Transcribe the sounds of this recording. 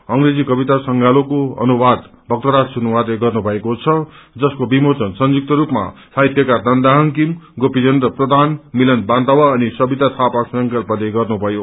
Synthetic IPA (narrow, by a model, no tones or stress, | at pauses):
ʌŋɾed͡zikʌbit̪asʌŋɡʱalokoʌ̰nubad̪ | bʱʌk̚t̪ʌɾassunʌwat̪eɡʌrnubʱʌekot͡sʰʌd͡zʌskobimot͡sʌnsʌnd͡zuk̚t̪ʌɾupma̰saɦit̪jʌkad̪ʌnd̪aɦʌnkimɡopid͡zʌnd̪rʌprʌd̪ʱanmilʌnbant̪awaːnisʌbit̪at̪ʰapasʌŋkʌrpʌleɡʌrnubʱʌjo